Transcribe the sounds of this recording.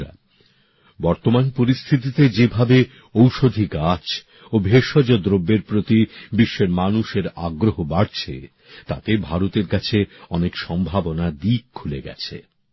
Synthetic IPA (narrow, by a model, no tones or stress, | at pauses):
a̰ | bɔɾt̪omanpoɾist̪ʰit̪it̪ed͡ʑebʱabe | owʃod̪ʱiɡat͡ɕ | obʱeʃɔd͡ʑod̪ɾobːeɾpɾot̪ibiʃːeɾmanuʃeɾa̰ɡɾoɦobaɽt͡ɕʰḛ | t̪a̰t̪ebʱaɾot̪eɾkat͡ɕʰeɔnekʃɔmbʱabonad̪ik̚kʰuleɡɛ̰t͡ɕʰḛ